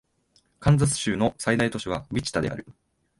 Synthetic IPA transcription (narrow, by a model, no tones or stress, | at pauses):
kãnd͡zat͡sɨ̥ɕɨːno̞said̪ait̪o̞ɕiβamʲit͡ɕi̥t̪ad̪e̞ʔa̰ɾɯ̟